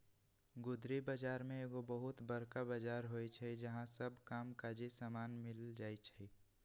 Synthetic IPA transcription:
ɡʊd̪ɾibad͡ʒaːɾmẽeɡobəɦʊt̪bəɾkabaːd͡ʒaːɾɦoit͡ʃʰɛid͡ʒɐɦãsəbʱkaːmkad͡ʒisamaːnmɪld͡ʒaːit͡ʃʰɛ

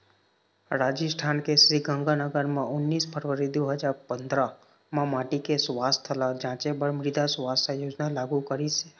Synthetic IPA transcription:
ɾaːd͡ʒəsʈʰaːnkesɾiɡə̃ŋɡanəɡəɾmẽʊnːiːspʰəɾʋəɾid̪oɦəd͡ʒaːɾpə̃nd̪ɾa | mẽmaːʈikesʋaːst̪ʰəlad͡ʒãːt͡ʃebəɾmɾɪd̪ʱasʋaːsajoːd͡ʒnalaːɡukəɾise

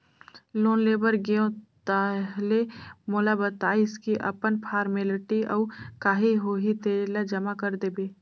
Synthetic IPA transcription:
loːnleːbəɾɡeõt̪aɦlemoːlabət̪aːɪskiʔə̰pənpʰaːɾmelɪʈiʔɔːkaːɦiɦoːɦit̪eːlad͡ʒəmakəɾd̪eːbeː

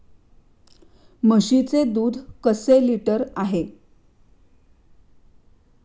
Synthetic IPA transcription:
məɕit͡sed̪uːd̪ʱkəseliʈəɾaɦe

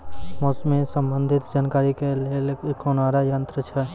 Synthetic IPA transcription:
mɔsmẽsəmbənd̪ʱɪt̪d͡ʒaːnkaɾikelelkonaɾajənt̪ɾət͡ʃʰɛ

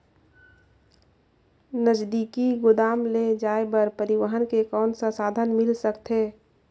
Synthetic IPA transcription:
nəd͡ʒd̪ikiɡʊd̪aːmled͡ʒaːebəɾpəɾɪʋəɦənkekɔːnsəsaːd̪ʱənmɪlsəkt̪ɦe

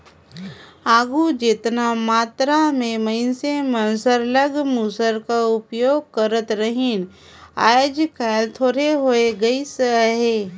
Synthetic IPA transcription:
aːɡud͡ʒet̪namaːt̪ɾamẽməɪnsemənsəɾləɡmuːsəɾkaʊpjoːɡ̚kəɾət̪ɾəɦɪn | a̰ːjd͡ʒkɛːlt̪ʰoːɾeɦoeɡɐisəɦeː

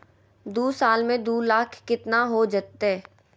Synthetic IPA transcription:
d̪uːsaːlmẽd̪uːlaːkʰkɪt̪naɦod͡ʒət̪ɦɛː

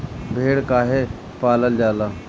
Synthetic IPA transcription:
bʱeːɽkaːɦe | paːləld͡ʒaːlaː

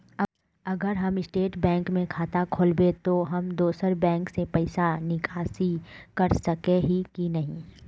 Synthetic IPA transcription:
ɐɡəɾɦɐmɪsʈeːʈbɛ̃ːŋkmẽkʰaːt̪akʰoːlbet̪oɦɐmd̪oːsəɾbɛ̃ːŋksepɛɪsanɪkʰaːsikɐɾsɐkeɦikinɐɦĩː

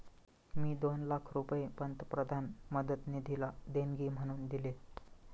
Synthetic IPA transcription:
miːd̪onlakʰɾupjepənt̪əpɾəd̪ʱanməd̪ət̪nid̪ʱilad̪eŋɡʱiːm̤əɽ̃uːnd̪ile

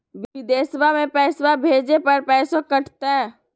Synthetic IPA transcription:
ʋɪd̪eːsəbamẽpɛːsəbabʱeːd͡ʒepɐɾpɛːsõkəʈʰt̪eɛ̃ː

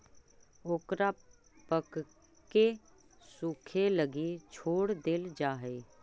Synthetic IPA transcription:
oːkɾaː | pək | ke | suːkʰeləɡiːt͡ʃʰoːɽd̪ɪld͡ʒaːɦeː

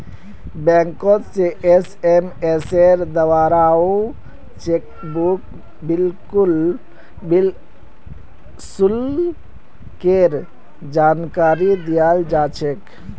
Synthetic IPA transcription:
bɛ̃ːŋkot̪seʔesemeseɾd̪əʋaːɾaːo | t͡ʃeːk̚ | buk | bɪlkʊl | bɪl | sʊl | keɾ | d͡ʒaːnkaːɾid̪ijaːld͡ʒaːt͡ʃʰek

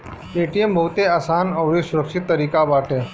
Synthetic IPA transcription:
eːʈijembʱɐɦʊt̪eaːsaːnɐʋɾiːsʊɾəkʃɪt̪ːəɾiːkaʋaːʈʰẽː

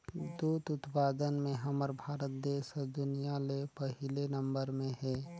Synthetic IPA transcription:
d̪uːt̪ʊt̪paːd̪ənmẽɦɐməɾbʱaːɾət̪̚d̪eːʃəd̪ʊnijalepəɦɪlenə̃mbəɾmẽɦɛː

